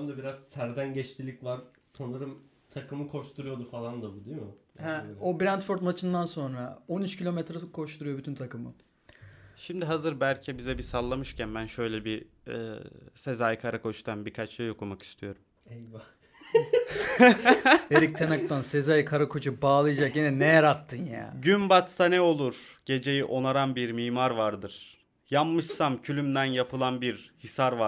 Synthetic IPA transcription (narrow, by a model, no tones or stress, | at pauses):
amd̪abiɾaz̥sæɾd̪ænɟɛt͡ʃt̪ʰilʲicvaɾsanɯɾɯm | t̪ʰakʰɯmɯkʰo̞ʃt̪ʰuɾujo̞d̪ufalˠand̪abud̪ijohɛobɾɛnt̪foɾt̪mat͡ʃʰɯnd̪anso̞nɾao̞nyt͡ʃcʰilʲo̞mɛt̪ɾɛkʰo̞ʃt̪uɾujo̞byt̪ʰynt̪ʰakɯmɯ̰ | ʃimd̪iɦazɯɾbælʲcʰɛbizɛbisalˠːamɯʃcʰænbænʃø̞jlʲɛbiɛ̰ːse̞zajkʰaɾakʰo̞t͡ʃt̪ʰanbiɾkʰat͡ʃʃajo̞kʰumaki̥st̪ʰijo̞ɾum | ɛjva | eɾic̚t̪ʰenak̚t̪ansezajkʰaɾakʰo̞t͡ʃʰubaːlˠɯjad͡ʒakjinɛnejaɾat̪ʰːɯnja̰ːɟynbat̪sanɛo̞lˠuɾ̥ɟ̥e̞d͡ʒe̞jiʔo̞naɾanbiɾmiːmaɾvaɾd̪ɯɾ̥ | jamːɯʃsamcʰylʲymd̪ænjapʰɯlˠanbiɾhisaɾva